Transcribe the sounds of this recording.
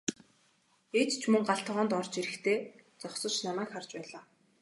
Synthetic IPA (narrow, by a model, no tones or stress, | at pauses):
et̪t͡ɕʰmɵŋɢaɬt̪ʁɔːnt̪ɔrt͡ɕiɾɘ̆xt̪ʰeːt͡sɔχsɞ̆t͡ɕnamæːkχart͡ɕpæːɮaː